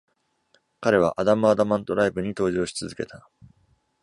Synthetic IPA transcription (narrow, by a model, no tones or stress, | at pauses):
kaɾe̞β̞a̰ʔad̪amɯ̟ad̪amãnt̪o̞ɾaibɯ̟ɲ̟it̪o̞ːʑo̞ːɕi̥t͡sɨzɨke̞t̪a